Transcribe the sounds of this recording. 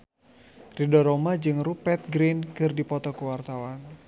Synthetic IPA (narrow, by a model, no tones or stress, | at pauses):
ridɔɾɔmad͡ʒɨŋrupɛt̪̚ɡɾinkɨrdipɔt̪ɔkuwart̪awan